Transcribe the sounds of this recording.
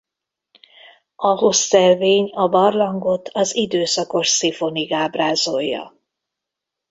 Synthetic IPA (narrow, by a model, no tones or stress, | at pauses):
ɒɦo̞sːɛlveːɲɒbɒrlɒŋɡo̞t̪ʰɒzid̪øːsɒko̞ʃsifo̞niɡaːbraːzojːɒ̰